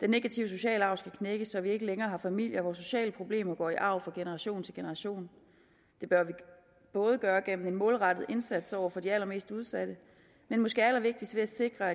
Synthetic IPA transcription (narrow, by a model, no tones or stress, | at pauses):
d̥enːe̝ɡ̥æt͡sʰiʊəs̬o̝ɕɛ̰ːləɑ̈ʊ̰sɡ̥ækʰneɡ̥əsɒ̽ʋie̝ɡ̥əleŋɐːɦɑ̈fæmil̰jɐʋɒːso̝ɕɛ̰ːləpʰʁo̝b̥le̝̰ːmɐɡ̥ɒ̰ːiʔɑ̈ʊ̰fʁɑ̈ɡ̥enəʁɑɕo̝̰ːn̩t͡sʰe̝lɡ̥e̝nəʁɑ̈ɕo̝̰ːn | d̥e̝b̥ɶɐʋi | b̥ɔ̽ːð̞ˠəɡ̥ɶːɐɡ̥en̰m̩e̝nmɔːlʁɑ̈d̥əð̞̩ˠe̝nsæd̥sɒʊ̰ɐfɒ̽diælɐme̝̰ːsd̥uð̞ˠsæd̥ə | menmɔ̽sɡ̥e̝ːɐælɐʋe̝ɡ̥̚d̥isd̥əʋe̝æse̝ɡ̥ʁɐæ